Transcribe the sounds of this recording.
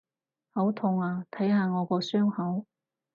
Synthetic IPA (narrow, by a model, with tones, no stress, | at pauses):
hɐ˨˥wt̪ʰʊ˧˩ŋaː˨˧t̪ʰɐ˨˥jɦaː˧ŋɔː˨˧kɔː˧sœː˥ŋhɐ˨˥w